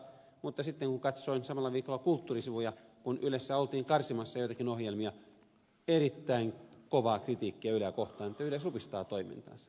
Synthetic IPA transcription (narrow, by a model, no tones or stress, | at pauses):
mut̪ːɑsit̪ːeŋkuŋkɑt̪soinsɑmɑlːɑʋiːkolːˑɑkult̪ːuːrisiʋujɑkunylesːæolt̪iːŋkɑrsimɑsːɑjoˑit̪ɑkinohjelmiɑ | erit̪ːæiŋkoʋɑːkrit̪iːkːiæylækoht̪ɑːnet̪ːæylæsupist̪ɑːt̪oimḭnt̪ɑ̰ːnsɑ̥